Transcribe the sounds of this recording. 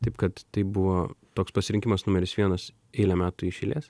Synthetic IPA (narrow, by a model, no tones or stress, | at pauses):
t̪ɐɪpkɐt̪t̪ɐɪbʊʋoːt̪oːkspɐsʲɪɾʲɪŋʲkʲɪmɐsnʊmʲɛɾʲɪsʋʲiɛnɐs | ɛɪlʲɛmʲæːt̪ʊɪʃʲɛlʲḛːs